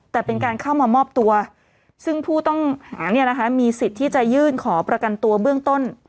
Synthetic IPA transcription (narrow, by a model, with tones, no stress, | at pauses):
t̪ɛː˨˩pe˧nkaː˧nkʰa˥˩wmaː˧mɔː˥˩p̚t̪u˧ɐ | sɯ˥˩ŋpʰuː˥˩t̪ɔ˥˩ŋhaː˩˦ni˥˩na˦˥kʰa˦˥miː˧si˨˩t̪ʰːiː˥˩t͡ɕa˨˩jɯː˥˩nkʰɔː˩˦pɾa˧ka˧nt̪u˧ɐbɯ˥˩əŋt̪o˥˩n